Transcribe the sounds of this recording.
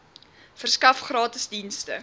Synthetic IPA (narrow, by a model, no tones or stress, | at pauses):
fərskɐfχrɑːtəsdinstə̰